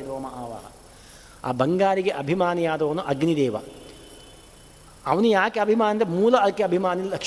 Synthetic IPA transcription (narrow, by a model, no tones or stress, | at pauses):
id̪oːmɐaːʋa̰ːɦɐ̰ | a̰ːbɐŋɡaːɾiɡeʔɐbʱimaːnɐjaːd̪ɐːnuʔɐɡnid̪ɛːʋɐ̰ | ɐʋɐnujaːkeɐbʱimaːnd̪emuːlɐɐkːeɐbʱimaːnillɐk